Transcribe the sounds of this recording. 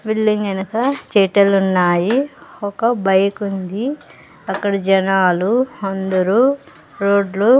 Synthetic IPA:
bilːiŋɡɐnɐkɐt͡ʃeːʈɐlunːaːjiɔkɐbɐjkund̪i | ɐkːɐɽɐd͡ʒɐnaːluɐnd̪ɐɾu | ɾoːɖlu

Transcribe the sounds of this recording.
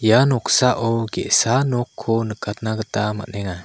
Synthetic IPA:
janɔksaʔɔɡɛʔsanɔkʰːɔnəkat̪̚naɡət̪ama̰ʔnɛŋa

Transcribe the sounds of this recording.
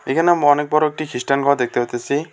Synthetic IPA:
ekʰanamuɔnek̚bɔɾek̚ʈikʰisʈankɔad̪ek̚t̪iɦɔt̪esi

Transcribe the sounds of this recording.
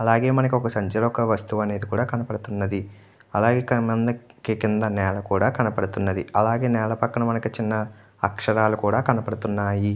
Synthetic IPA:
ɐlaːɡeːmɐnɐk̬iɔkɐsɐɲd͡ʒɐlɔkɐʋɐst̪uʋɐne̞ːd̪ikuːɽaːkɐnɐpɐɽut̪unːɐd̪i | ɐlaːɡeːkmɐnd̪ɐkikind̪ɐnɛːlɐkuːɽaːkɐnɐpɐɽut̪unːɐd̪iɐlaːɡe̞ːnɛːlɐpɐkːɐɳɐmɐnɐkit͡ʃinːɐ | ɐ̰kʂɐɾaːlukuːɽaːkɐnɐpɐɽut̪unːaːji

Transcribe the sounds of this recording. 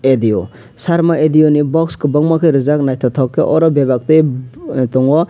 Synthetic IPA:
ediɔ | saɾmaʔediɔnibɔkskɯbɔŋmakʰɯjɾɯzak̚najtʰɔtʰɔkːeʔɔɾɔbebak̚tɯjtɔŋwɔ

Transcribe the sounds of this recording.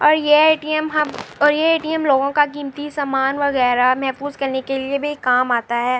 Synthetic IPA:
ɔːɾjeeːʈiəmɦɐmɔːɾjeeːʈiəmloːɡõkak̬iːmt̪isaːmaːnʋɐɣɛːɾamɛɦfuːzkɐɾnekeliebʱikːaːmaːt̪aɦɛː

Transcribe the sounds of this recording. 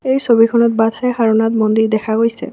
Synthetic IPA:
ejsobikʰɔnɔtbadʱajxaɹɔnat̬mondiɹdɛkʰaɡojsɛ̰

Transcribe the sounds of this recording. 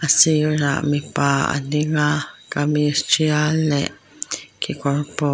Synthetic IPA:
asiɾa̰mipaa̰niŋakamiɾt͡ʃiale | kʰikorpo

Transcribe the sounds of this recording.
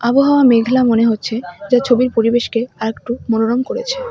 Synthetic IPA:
aboɦaoameɡʱlamoneɦotːɕʰed͡ʑat͡ɕʰobiɾpoɾibeʃkeaɾek̚ʈumonoɾomkoɾḛt͡ɕʰe̥

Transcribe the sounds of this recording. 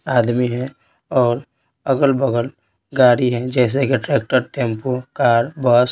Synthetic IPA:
aːd̪miɦɛ̃ | ɔːɾ | əɡəlbəɡəl | ɡaːɽiɦɛ̃d͡ʒɛːs̬ekeʈɾɛːk̚ʈəɾʈẽːmpokaːɾbɔs

